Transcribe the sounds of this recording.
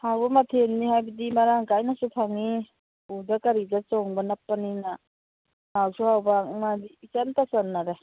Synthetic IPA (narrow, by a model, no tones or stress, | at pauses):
hawbɐmatʰenːihajbadimaɾaŋkajnasupʰaŋi | udakaɾizat͡ʃɔŋbanapːanina | mawsuhawbamadiːt͡ʃantasanːaɾe